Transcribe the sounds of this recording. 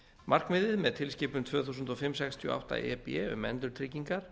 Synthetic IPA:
mar̥kmɪðɪðmɛðt̪ʰɪlscɪːpʏnt̪ʰvœːθusʏnt̪ɔfɪmːsɛkst̪ʰjʏɔ̰ːʔa̰wht̪a̰ɛ̰pɛʏ̰mɛ̰nt̪ʏɾt̪ʰɾɪciŋkaɾ̥

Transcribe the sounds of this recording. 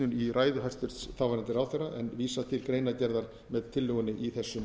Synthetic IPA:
ʏniraːjðʏɦaj̥st̪ʏɾ̥t̪sθawvaɾant̪ɪɾawθɛrːaʔɛnviːsat̪ʰɪlkɾeːjnacɛɾðaɾ | mɛðt̪ʰːɪlːʏɣʏnːɪʔiθɛsːʏm

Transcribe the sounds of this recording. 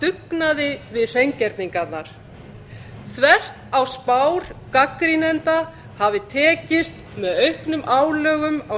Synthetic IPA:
t̪ʏknaðɪvɪðθejɲcɛɾt̪niŋkat̪naɾ̥ | θvɛr̥t̪awspaːwɾ̥kakɾinɛnt̪a | havɪt̪ʰɛːcɪst̪ | mɛðœɥhknʏmʔaːwlœːɣʏma

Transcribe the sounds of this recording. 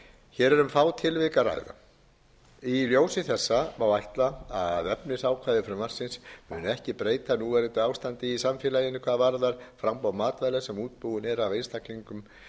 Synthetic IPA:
çɛːɾɛɾʏmfaːwt̪ʰɪlvɪːkara̰ːjɣða̰ | iljoːwsɪθɛsːamawajht̪laaðvɛpnɪsaːwkʰvajðɪfɾʏmvar̥sɪnsmʏnɛhcɪpɾeːjt̪anuvɛɾɪt̪ɪaːwst̪ant̪ɪisamfjɪːlajɪnːɪkʰvaːðavaɾðaɾ̥fɾawmpawmaːt̪vajlasɛmuːt̪̚puðʏnɛɾavejnst̪akliŋkʏm

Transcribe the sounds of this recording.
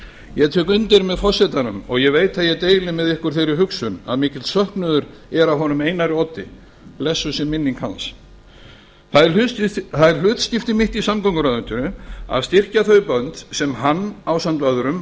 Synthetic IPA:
jɛt̪ʰøːkʏnt̪ɪɾmɛðfɔr̥sɛt̪anʏmɔ̰ɣjɛveːjt̪θaðjɛt̪eːjlɪmɛðɪhkʏɾ̥θejɾɪɦʏksʏna̰ðmɪːcɪlt̪sœhknʏðʏɾ | ɛɾawɦɔnʏmeːjnaɾɪɔt̪ɪ̰ | lɛsːʏsɛmːɪnːiŋkha̰ns | θaðɾθaðɛɾ̥l̥ʏːt̪scɪft̪ɪmɪht̪isamkɔŋkʏɾaðʏnt̪ʏnʏa̰ðst̪ɪr̥caθœɥpœnt̪sɛmɦanːawsant̪vaðʏɾʏm

